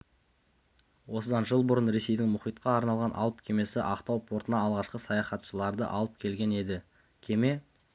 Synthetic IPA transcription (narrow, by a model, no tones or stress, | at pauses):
wo̞səd̪ɑnʒəlˠbʊɾənɾe̞se̞jd̪ɪŋmʊχijt̪qɑːɾnɑlˠʁɑnʔɑ̰lˠəp̚kʲʰe̞me̞sɪʔɑqt̪ɑwpʰoɾt̪ənɑɑlˠʁɑʃqəsɑjɑχɑt̪ʃəlˠɑɾd̪ə̰ʔɑ̰lˠəp̚kʲʰe̞lɡʲe̞ne̞d̪ɪ | kʲʰe̞me̞